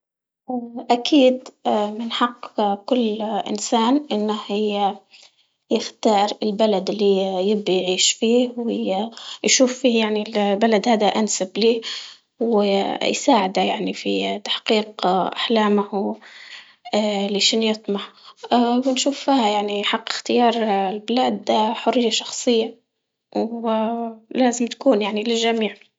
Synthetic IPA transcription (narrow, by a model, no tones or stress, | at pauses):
ʔʔakʰiːd̪mɪnħɑqːkʊlːʔɪ̰nsaːnʔɪnːahj | jɪxt̪ɑːɾˤɪlbalad̪lːijɪbːajʕiːʃfiːhwɪjʃuːfːiːjaʕnilbalad̪haːd̪aʔansabliː | wɪjsaːʕɪd̪ajaʕnifit̪ḁħqiːqʔa̰ħlaːmah | lɪʃɪnjɨt̪ˤmɑħ | wɪnʃuːfːiːhajaʕniħɑqːɪ̥xt̪ɪjɑːɾˤlbɪlaːd̪ħʊrːɪjːaʃɑxsˤɨjːa | w | laːzɪmt̪ḁkuːnjaʕnilɪlʒamiːʕ